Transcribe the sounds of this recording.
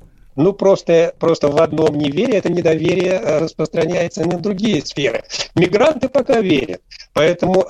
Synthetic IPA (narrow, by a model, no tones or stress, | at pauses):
nupɾo̞st̪əpɾo̞st̪əvɐd̪no̞mnʲɪvʲeɾʲɪjɛt̪ənʲɪd̪ɐvʲeɾʲɪjəɾəspɾəst̪ɾɐnʲæjɪt̪sənʲɪvd̪ɾʊɡʲijəsfʲe̞ɾɨ̰mʲɪɡɾant̪ɨpɐkavʲeɾʲə̰t̪̚pɐɛt̪əmʊ